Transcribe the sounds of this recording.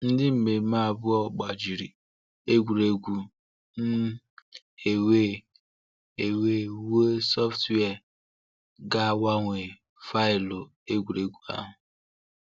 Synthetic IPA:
n̩˦dɪ˦m̩˨me˨˦ma˦˨bʊ˦ɔ˨ɡ͡ba˨d͡ʒi˨ɾi˨ | e˦ɡʷu˨ɾe˦ɡʷu˨ | n̩˦ | e˨we˦ | e˨we˦we˦sɔ˦ftwɛ˦˨ | ɡa˦wa˦ŋʷe˨ | fa˦ɪ˨lo˨ | e˦ɡʷu˨ɾe˦ɡʷu˦a̰˦ɦʊ˨

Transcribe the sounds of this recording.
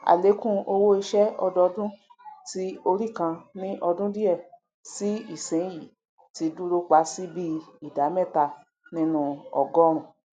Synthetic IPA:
a̰˨le˨˦kũ˦o˧wo˦i˧ʃɛ˦ɔ˧dɔ˧dũ˦ti˦o˧ɾi˦˨kã˧nĩ˦ʔɔ˧dũ˦di˦ɛ˦˨ | si˨˦i˦˨sɛ̃˨˦ji˨ | ti˧du˦ɾo˦k͡pa˧˦si˦bi˦i˦˨da˨˦mɛ̃˦˨ta˧ | nĩ˦nũ˦ɔ˨ɡɔ˦ɾ̃ũ˨

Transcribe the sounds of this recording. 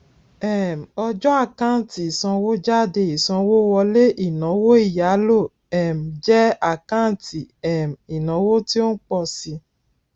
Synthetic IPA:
ɛ˨m˨ɔ˧d͡ʒɔ˦a˦˨kã˦˨ti˨i˨sã˧wo˦d͡ʒa˦˨de˧˨i˨sɔ̃˧wo˦wɔ˧le˦ʔi˦˨nã˨˦wo˦i˦˨ja˨˦lo˦˨ | ɛ˨m̩˨d͡ʒɛ˦a˦˨kã˦˨ti˨ɛ˨m˨i˨nã˨˦wo˦ti˦o˦n̩˦k͡pɔ˦˨si˧

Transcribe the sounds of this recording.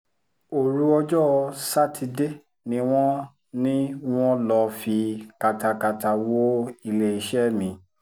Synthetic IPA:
o˨ɾu˦ɔ˧d͡ʒɔ˦˧sa˦tʰi˧de˦˨ | nĩ˧˦w̃ɔ̃˦ | nĩ˦w̃ɔ̃˦lɔ˧fi˧ka˨ta˧ka˧ta˨wo˦i˧˨le˨i˨ʃɛ˦˨mĩ˨˦

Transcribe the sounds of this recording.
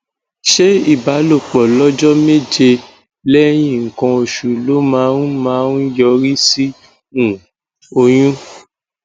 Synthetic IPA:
ʃe˦i˦˨ba˨˦lo˦˨k͡pɔ˨lɔ˦d͡ʒɔ˦me˦d͡ʒe˧ | lɛ˦j̃ĩ˦˨ŋ̩˨kã˧o˧ʃu˨lo˨˦mã˨˦ũ˦mãː˨˦ũ˦jɔ˧˦ɾi˦si˦ | ũ˨ | o˧j̃ũ˦

